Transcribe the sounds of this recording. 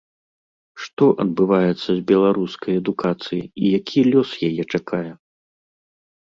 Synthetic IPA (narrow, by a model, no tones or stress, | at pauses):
ʂt̪ɔʔɐd̪̚bɨvajɛt̪sːɐzʲbʲɛlˠaɾuskɐjɛd̪ukat̪sɨjiijakʲʰilʲɔsjajɛt͡ʂakʰajɛ